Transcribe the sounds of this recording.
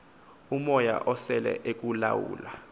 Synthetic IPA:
umɔja̰ʔɔsɛlɛ̰ʔek̬ʼulawṵːla

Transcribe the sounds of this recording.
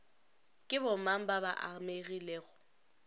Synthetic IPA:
kʼɪbʊmam̩baβaʔameɣileːɣʊ

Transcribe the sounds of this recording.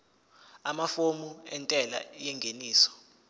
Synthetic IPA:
amafomuɛntʼɛla̰jɛŋɡʱeniːsɔ̥

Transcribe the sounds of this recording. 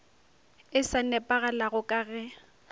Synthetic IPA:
ɪsanɛpʼaɣalaɣʊkʼaːɣɛ

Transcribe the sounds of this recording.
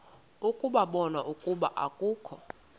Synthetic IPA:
ukʼuɓaɓɔnaʔukʼuɓa̰ʔa̰kʼuːkʰɔ

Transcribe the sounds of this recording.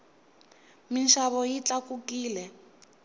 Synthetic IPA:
minʃaβɔjit͡ɬʼakukiːlɛ

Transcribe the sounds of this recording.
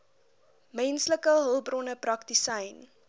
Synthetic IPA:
mɛnsləkəɦəlˠbrɔnəprɐktisəjn

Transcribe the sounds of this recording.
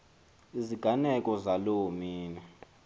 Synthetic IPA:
iziɡ̥ʱanɛkʼɔzalomiːnɛ

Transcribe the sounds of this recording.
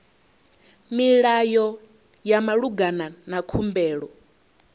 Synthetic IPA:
miɺajɔ | jamaɺuɡananakʰumbɛːɺɔ

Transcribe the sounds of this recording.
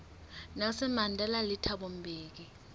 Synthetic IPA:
nasɛmandʱɛlalitʰaɓɔm̩bʱeːk̬i

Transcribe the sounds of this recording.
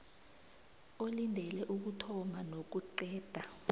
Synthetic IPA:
olindʱɛlɛʔuk̬utʰɔmanok̬uǃɛːd̥ʱa

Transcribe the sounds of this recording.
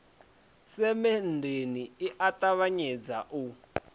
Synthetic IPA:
sɛmɛndeniiʔatʼaβaɲɛd͡zaʔu

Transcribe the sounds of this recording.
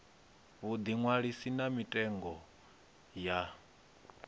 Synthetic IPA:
βud̪iŋwaɺisinamitʼɛŋɡɔ | ja

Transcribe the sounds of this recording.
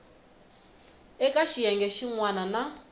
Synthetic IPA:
ɛkʼaʃijɛŋɡɛʃiŋwanana

